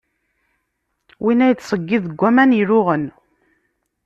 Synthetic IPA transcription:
winæjət͡sːsˤəɡːiðəɡʷːæmænjəɾʊʁən

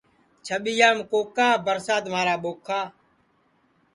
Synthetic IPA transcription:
t͡ʃʰəɓijaːmkoːkaːbəɾsaːt̪maːɾaːɓoːkʰːaː

